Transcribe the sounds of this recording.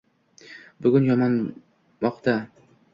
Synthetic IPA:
bʊɡʲʊnjɒmɒn | mɒqt̪a

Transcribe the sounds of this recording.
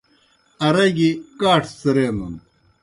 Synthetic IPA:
ɐɾɐɡikaːʈʰsɐɾeːnun

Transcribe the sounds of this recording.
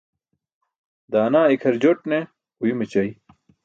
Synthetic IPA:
d̪aːnaːikʰɐɾd͡ʑoʈne | ujimet͡ɕɐi

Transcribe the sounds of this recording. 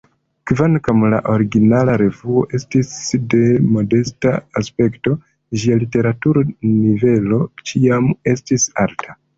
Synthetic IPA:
kvankamla̰ʔo̞ɾiɡinalaɾe̞vuo̞ʔe̞stisde̞mo̞de̞staːspe̞kto̞ | ʒialite̞ɾatuɾnive̞lo̞t͡ʃiame̞stisaltʰa

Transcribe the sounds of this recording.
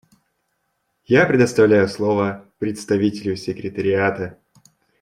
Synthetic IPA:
japɾʲɪd̪əst̪ɐvlʲæjʊslˠovəpɾʲɪt̪st̪ɐvʲitʲɪlʲjʊsʲɪkɾʲɪt̪əɾʲɪat̪ə

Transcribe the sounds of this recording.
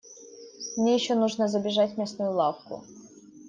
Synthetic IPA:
mnʲejɪɕːonuʐnəzəbʲɪʐatʲmʲesnʊjʊlˠafkʊ̰

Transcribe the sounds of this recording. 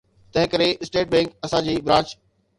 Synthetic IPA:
t̪ɐ̃ɦɪ̃kɐɾeɪsʈeːʈ̚bɛ̃ːŋkɐsãd͡ʑiːbɾãːt͡ɕ

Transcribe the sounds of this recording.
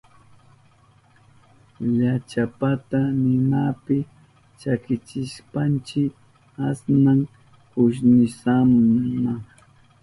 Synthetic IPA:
ʎat͡ʃapat̪anɪnapɪ | t͡ʃakɪt͡ʃɪʃpant͡ʃɪk | asnaŋ | kʊʃnɪsamaŋ

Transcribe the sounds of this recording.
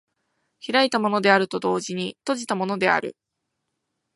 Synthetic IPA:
çiɾait̪amo̞no̞d̪e̞aɾɯ̟t̪o̞d̪o̞ːʑiɲ̟it̪o̞ʑit̪amo̞no̞d̪e̞a̰ɾɯ̟̰

